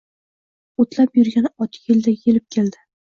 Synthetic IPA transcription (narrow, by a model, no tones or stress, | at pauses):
ot̪lapjʊɾɡʲanɒt̪ʰɪ̥eld̪ajʲʰelɪp̚kʲʰeld̪ɪ